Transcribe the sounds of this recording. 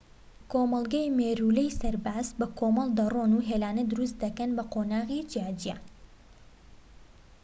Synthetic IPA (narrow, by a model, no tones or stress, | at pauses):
kʰomɐlˠɡajmeːɾulɛjsɐɾbaːzbɐkʰomɑlˠd̪ɐroːnuɦeːlaːnɐd̪ʊɾust̪̚d̪ɐkɐnbɐqoːnaːʁid͡ʒijaːd͡ʒija